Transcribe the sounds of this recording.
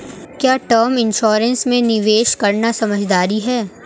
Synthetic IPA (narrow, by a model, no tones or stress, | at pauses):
kjaːʈəːɾmɪ̃nʃɔːɾə̃nsmẽnɪʋeːʃkɐɾnasɐməd͡ʒʱd̪aːɾiɦɛː